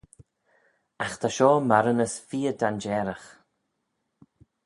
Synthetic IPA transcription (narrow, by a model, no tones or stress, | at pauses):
axt̪ʰaʃɔːmaɾənəsfiːəd̪and͡ʒɛːɾəx